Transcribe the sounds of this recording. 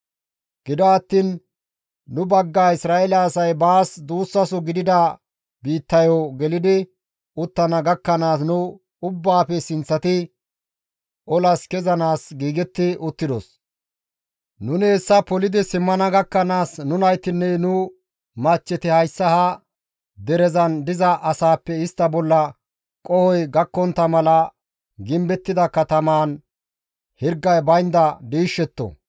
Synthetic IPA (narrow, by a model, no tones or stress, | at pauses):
ɡ̥ɪd̪ɔɐt̪ːiːnː | ʊbɐɡːaːɪsɾaːɛlɐːsɐjbaːsd̪uːsːɐsɔɡɪd̪ɪd̪ɐ | biːt̪ːɐjɔɡɛlɪd̪ɪ | ʊt̪ːɐnɐɡɐkːɐnaːsnʊ | ʊbːaːpɛsɪnt͡sːɐt̪ɪ | ʔɔlɐskɛzɐnaːsɡiːɡɛt̪ːɪʔʊt̪ːɪd̪ɔs | nʊnɪɛsːɐpɔlɪd̪ɪsɪmːɐnɐɡɐkːɐnaːsnʊnɐjt̪ɪnːɛnʊ | mɐt͡ʃːɛt̪ɪhɐjsːɐhɐ | d̪ɛɾɛzɐnd̪ɪzɐʔɐsaːpːɛɪst̪ːɐbɔlːɐ | kʼɔhɔjɡɐkːɔnt̪ːɐmɐlɐ | ɡɪmbɛt̪ːɪd̪ɐkɐt̪ɐmaːn | hɪɾɡːɐjbɐjnd̪ɐd̪iːʃːɛt̪ːɔ̰